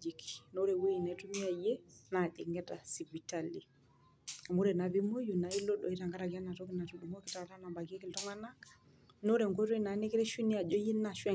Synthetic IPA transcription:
d͡ʒi˨kino˦ɾe˨we˦ji˨na˨˦tu˦mi˦a˨je˦na˨ɗi˨ŋɡɛ˦ta˨si˨vi˨tali˨ | a˨mu˦ɾe˨na˨βi˦mo˦ju˨na˨i˦lo˦ɗɔ˨i˦ta˨ŋɡa˦ɾa˨ɡa˦na˨tɔ˦kina˨tu˨du˨mo˦ki˦ta˨ta˦na˨ba˨ke˦ki˨ltɔ˦ŋa˦na˦ | no˦ɾe˨ŋɡo˦ti˦na˨˦ne˦ki˦ɾe˦ʃu˦ni˦a˨d͡ʒɔ˦ji˦na˨ʃwɛ˦

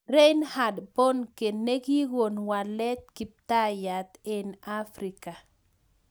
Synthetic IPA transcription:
ɾe˦nha˨dpɔ˦nke˨nnːe˦ɡi˦ɣo˨nwa˨lɛ˦t̪̚ki˨p̚t̪a˦ja˨t̪ɪ˨na˦fɾi˨ka˨

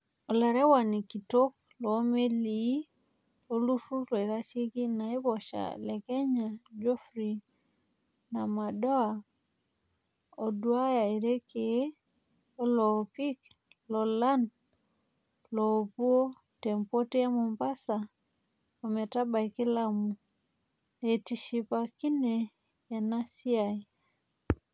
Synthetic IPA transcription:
ɔ˨la˨ɾɛ˦wa˨ni˨ki˨to˦k̚ | lɔː˨˦me˦li˨i˦ | lo˨lu˦fu˦lɔ˨i˨ɾa˦t͡ʃe˦ki˦na˨i˦βɔ˨ʃa̰˨lɛ˨kɛ˦ɲa˨d͡ʒo˦fɾi˨ | na˨ma˨dɔ˦a˨ | o˨du˨a˦ja˨i˨ɾe˦ke˨˦ | o˦lɔ˨pi˦k | lɔ˨la˦n | lɔ˨pu˦o˦ | tɛ˨mpo˦ti˦a˦mu˨mba˦sa˨ | o˨mɛ˨ta˦ba˨iki˦la˦mu˨ | eti˨ʃi˨paki˦ne˨ | ja˨na˦si˦a˨i˨

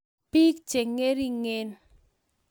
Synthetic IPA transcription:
pi˦k̚d͡ʒ̥e˨ŋe˦ɾi˦ŋe˦n

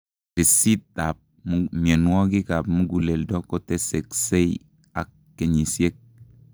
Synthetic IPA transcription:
ɾi˨si˦t̚da˨p̚ | mme˨nwɔ˦ki˦ka˨pmu˦ɡu˨le˨ldɔ˦kɔ˦te˦se˨kse˦j | a̰˨kːe˨ɲi˨sje˦k̚

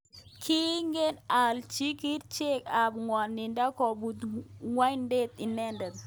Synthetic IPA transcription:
kʰi˦ŋɡe˦na˨lt͡ʃi˦ki˦ɾt͡ʃe˦ka˨bŋwa˨nːi˨nda˦kɔ˨bu˨t̪ŋwa˦jnde˦t̪̚i˨nɛ˦ndɛ˨t̪

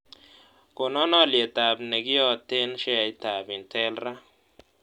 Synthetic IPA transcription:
ko˨nɔ˦nɔ˦˨lje˨ta˨bne˨ɡi˦ɔ˦˨te˦n˦ʃɛ˦a˨i˦ta˨bi˨ntʰɛ˦lɾa˦

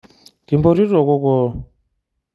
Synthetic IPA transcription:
ti˨mbɔ˦ɾi˦rɔ˨kɔ˦kɔ˦

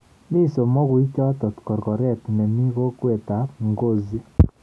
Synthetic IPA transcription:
ni˦so˨mɔ˦ɣu˨i˦t͡ʃɔ˦tɔ˨tkɔ˨ɾkɔ˨ɾɛ˦˨tnɛ˨mi˦ɣo˦kwe˨ta˨˦pŋɡo˦˨zi˦

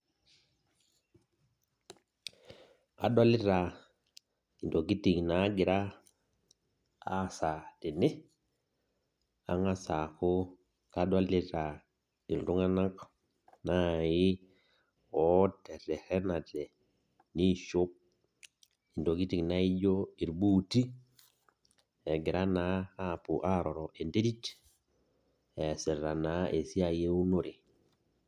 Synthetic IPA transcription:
a̰˨ɗwa˦li˦ɾa˨ | i˨ndo˨ɡi˦ti˨ŋna˨˦ɡi˨ɾa˦˨ | sa˨tɛ˨ne˦ | a̰˦ŋa˦sa˨ku˦ | ka˦ɗa˦li˦ta˨ | i˨n˨ɾu˦ŋa˦na˦k | na˦˨ji˦ | ɔ˦tɛ˨tɛ˨hɛ˦na˨tɛ˨ | ni˦ʃo˦p̚ | i˨ndo˨ki˦ti˨kna˦i˦d͡ʒo˦i˨ɾbuː˦ti˦ | ɛ˨ɡɪ˨ɾʔa˦na˦a˦˨pu˨ʔa˦ɾɔ˨ɾɔ˨ʔe˨nde˦di˦t | ɛ˨sɪ˨ra˨na˨˦ʔe˨si˦a˨je˦u˦no˦ɾi˨

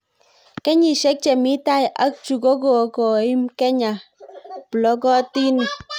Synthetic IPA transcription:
kɛ˦ɲi˨ʃɛ˦k̚t͡ʃɛ˨mi˦ta˦ja̰˦k̚t͡ʃu˨ɡo˦ɡo˨kɔ˨i˦mkɛ˦ɲa˨plɔ˦ɡɔ˦ti˦n˨

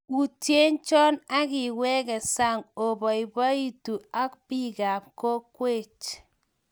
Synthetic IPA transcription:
ku˨tje˦nt͡ʃɔ˦na˦kɪ˨wɛ˦kɛ˨sa˦˨ŋo˨bɔ˨i˨bɔ˦i˦tu˨a˦k̚pi˦ɡa˨pko˦kwe˦˨t͡ʃ

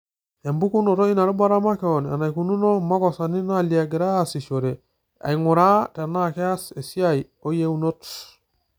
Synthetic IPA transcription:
a˨mbu˦ku˦no˨to˦i˦na˨ɾu˦ba˦ɾa˦ma˦keo˨na̰˨na˨jku˨nu˦no˦ma˦kɔ˨sa˨ni˦na˦li˨a˨ɡi˨ɾa˦a˨si˨ʃo˨ɾe˨ | a̰˨i˨ŋu˨ɾa˦ta˨na˦ke˦a˦se˨si˦a˦j | o˦je˦u˦no˦t

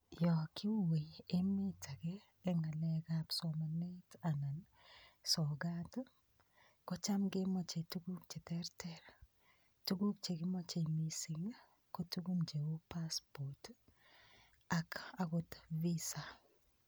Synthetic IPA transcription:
jɔ˨kʰɪ˦wu˦we˨je˦mɪ˦ta˨kɛː˦ | ŋa˨lɛ˨ɡapsɔ˨ma˨ne˦ta˨na˨n | sɔ˨ɡa˦t | kɔ˦t͡ʃa˦mɡɪ˦mɔ˦t͡ʃe˨tu˦ɡu˦k̚t͡ʃe˨tɛ˦ɾtɛ˦ɾ | tu˦ɡu˦k̚t͡ʃe˨ɡɪ˦mɔ˦t͡ʃe˨mi˨si˨ŋ | ko˦tu˦ɡu˦md͡ʒe˨wo˦pa˦spo˨t | a˨ka˦ɡʊ˦tvi˦sa˨

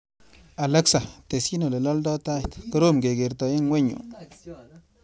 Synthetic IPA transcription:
a˨la˦ksa˨t̪e˨si˦no˨le˨lɔ˦ldɔ˦t̪a˦jt̪kə˦ɾo˦˨mɡe˨ɡe˨ɾt̪ɔ˨i˦nwe˦ɲṵ˨

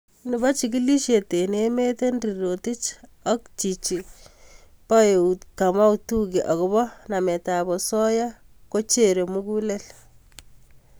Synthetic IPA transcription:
nɪ˨ba˦t͡ʃi˨k̬i˦li˦ʃje˨te˨ne˦me˦te˦nri˨ɾo˨ti˦t͡ʃa˦kt͡ʃi˨t͡ʃi˨ | pa˦je˨uka˨ma˦utu˦ki˨ʔa˨ɣo˦bɔ˦na˨mɛ˨ta˨bɔ˨sɔ˦ja˦ | ko˦t͡ʃe˦ɾe˨mu˦ku˦le˦l

